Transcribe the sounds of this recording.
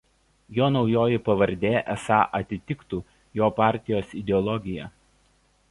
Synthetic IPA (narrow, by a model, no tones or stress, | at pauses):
joːnɒʊjoːjɪpɐʋɐɾʲd̪ʲeːʔɛsɑːʔɐt̪ʲɪt̪ʲɪkt̪uː | joːpɑˑɾʲt̪ʲɪjoːsɪd̪ʲɛɔlˠɔɡʲɪjɛ